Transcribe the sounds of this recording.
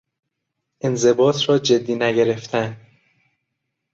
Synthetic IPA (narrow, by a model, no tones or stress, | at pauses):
ʔenze̞bɒːt̪ʰrɒːd͡ʒe̞d̪ːiːnæɟe̞ɾe̞ft̪ʰæn